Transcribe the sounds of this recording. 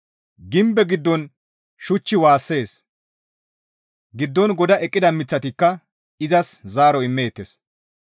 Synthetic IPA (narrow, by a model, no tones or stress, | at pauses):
ɡɪmbɛɡɪd̪ːɔn | ʃʊt͡ʃːɪwaːsːe̞ːs | ɡɪd̪ːɔnɡɔd̪ɐʔɛkʼːɪd̪ɐmɪt͡sːɐt̪ɪkːɐ | ɪzɐszaːɾɔɪmːe̞ːt̪ːes